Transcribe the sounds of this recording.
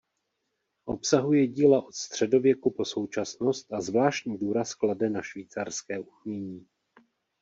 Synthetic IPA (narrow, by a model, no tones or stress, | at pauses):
ʔo̞psaɦujɛɟiːlaʔo̞t̪st̪r̝̥ɛdo̞vjɛkupo̞so̞wt͡ʃasno̞st̪azvlaːʃcɲiːduːɾaskladɛnaʃviːt͡sarskɛːʔumɲɛɲiː